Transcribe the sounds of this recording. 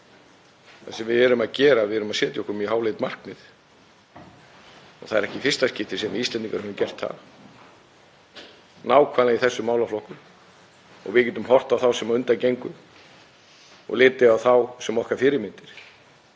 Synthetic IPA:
θasɛmvɪðɛɾʏmaðcɛːɾaːðvɪɛɾʏmaðsɛːt̪jɔhkʏmjɛhaːwlejt̪mar̥knɪð | ɔ̰ɣθaðɛɾɛhcɪfɪr̥st̪ascɪht̪ɪsɛnɪist̪lɛnt̪iŋkaɾhɛvʏmcɛr̥t̪ha̰v | naːwkʰvaːlaiθɛsːʏmaːwlaflɔhkʏ | ɔ̰ɣvɪc̬ɛnt̪ʏmɦɔr̥t̪awθawsɛmaʏnt̪acejŋkʏ | ɔ̰ɣlɪːt̪ɪawθawsɛmɔhkaɾfɪɾɪɾmɪnt̪ɪɾ̥

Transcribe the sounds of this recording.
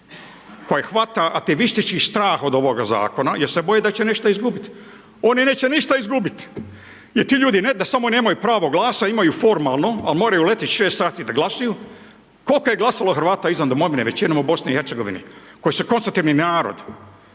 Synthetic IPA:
ko̞jexʋat̪aʔːk̚t̪eʋist̪it͡ʃkist̪ɾaːxo̞d̪o̞ʋo̞ɡaza̰ːko̞najeɾsebojed̪at͡ɕeniʃt̪aizɡubit̪ | o̞nineːt͡ɕeniʃt̪aizɡubit̪ | jeɾt̪iːʎuːd̪ined̪asamo̞neːmajupɾaːʋo̞ɡlˠaːsaimajufo̞ɾmalˠno̞almoːɾajule̞t̪itʃeːst̪saːt̪id̪aɡlasaju | ko̞lkoje̞ɡlˠasaloxɾʋaːt̪aizʋand̪omo̞ʋineʋe̞t͡ɕinomubo̞sniiheɾt̪seɡo̞ʋḭnḭko̞jisukonst̪ut̪iʋninaːɾo̰d̪

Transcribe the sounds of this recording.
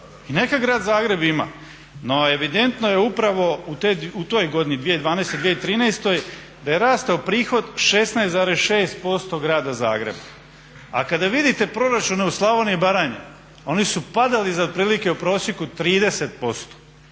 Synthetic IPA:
ine̞kaɡɾaːd̪zaːɡɾe̞bima̰ | no̞e̞ʋid̪e̞nt̪no̞je̞upɾaʋo̞ut̪eut̪oːjɡo̞d̪inid̪ʋied̪ʋaːnejst̪ojd̪ʋijeit̪ɾiːnajst̪o̞j | d̪aje̞ɾaːst̪aupɾiːxo̞d̪ʃe̞snajszaːɾesʃe̞ːst̪̚po̞st̪o̞ɡɾaːd̪aza̰ːɡɾḛba | a̰kad̪aʋid̪it̪e̞pɾo̞ɾat͡ʃune̞uslˠaʋoniibaɾaːɲe | o̞nisupad̪alizad̪̚pɾiːlike̞upɾo̞ːsjekut̪ɾiːd̪e̞se̞t̪̚po̞st̪o̥

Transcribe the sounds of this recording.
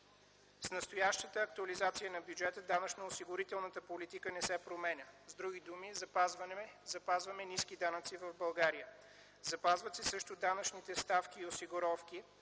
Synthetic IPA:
snəst̪ojaʃt̪ət̪əːk̚t̪uɐlizat̪sijənɐbjud͡ʒɛt̪əd̪anət͡ʃnəosiɡʊɾit̪ɛlˠnət̪əpolit̪ikənɛsɛpɾomɛnʲəzd̪ɾuɡ̟id̪umizɐpazvzɐpazvəmɛniskid̪anət̪sivəvbɐlˠɡaɾijə | zɐpazvət̪sisəʃt̪od̪anət͡ʃnit̪ɛst̪afkʲiːosiɡʊɾɔfkʲi

